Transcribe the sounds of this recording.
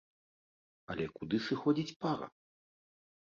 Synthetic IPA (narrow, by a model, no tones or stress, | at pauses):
ɐlʲɛkud̪ɨsɨxɔd͡zʲit͡sʲpaɾɐ̰